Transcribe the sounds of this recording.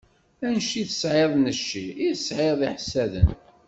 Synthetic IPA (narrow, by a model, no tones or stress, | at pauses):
ænʃiθə̥sʕeðˤnəʃːiiθəsʕeðˤiħsæðə̰n